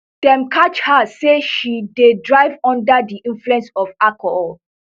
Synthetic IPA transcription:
d̥ɛ̃mkʰat͡ʃhaseʃidedɹaɪvɔ̃ndadiʔĩnfluɛ̃nsɔvakɔhɔl

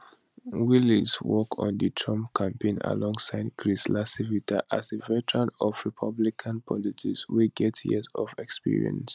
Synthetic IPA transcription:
wilizwɔkʰɔ̰̃nditʰɹɔ̃mpkʰãmpẽna̰lɔ̃ŋɡsaɪd̚kʰɹislasivitʰaʔazevɛtɹãnɔvɹipʰʌblikʰãnpʰɔlitʰikswiɡɛtjɛ̰zɔ̰vɛkspḭɹḭə̰̃ns

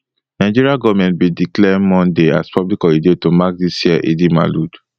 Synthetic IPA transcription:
naɪd͡ʒiɹiaɡɔvmɛ̃nt̚bidiklɛmɔ̃ndea̰spʰɔblikɔidetomak̚disjiɛʔedima̰lud

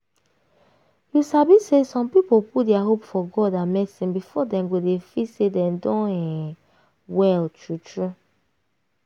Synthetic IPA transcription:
jusabisesɔ̃mpipopudɛaɦopfɔɡɔdamɛsĩbifɔdɛ̃mɡodefisedɛ̃mdɔ̃nɛ̃ | wɛltʰɹutɹu

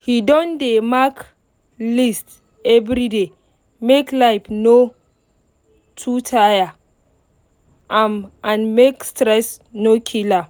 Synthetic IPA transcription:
hidɔ̃ndemak | list | ɛvɾide | meklaɪfno | tʰutʰaja | ʔãmãnmekstɾɛs | nokʰila

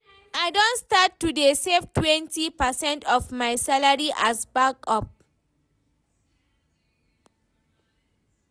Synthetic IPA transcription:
aɪdõntstatːudeseftwɛ̃ntipəsɛ̃ntɔfmaɪsalaɹiʔasbakɔp̚

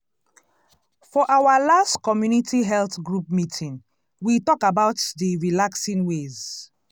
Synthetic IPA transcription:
fɔʔawalastkɔmjunitʰiɦɛlθɡɹupmitʰĩn | witɔkabaʊtdiɹilaksĩnwez

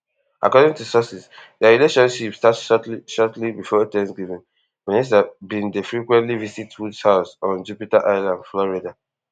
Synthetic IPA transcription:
ʔa̰kɔdĩŋtusɔsisdəɹileʃɔ̃nʃipstatsʃɔtliʃɔtlibifɔetɛ̃nsɡivĩn | wɛ̃nis̬avbĩndəfɹikwɛ̃ntlivisitwudshaʊsɔ̃nd͡ʒupitaʔaɪlãndflɔɹida

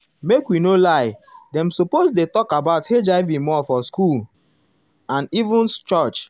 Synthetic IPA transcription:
mekwinolaɪdɛ̃msopozdetɔkabaʊthed͡ʒaɪvimɔfɔskul | ãnivũnst͡ʃɔt͡ʃ

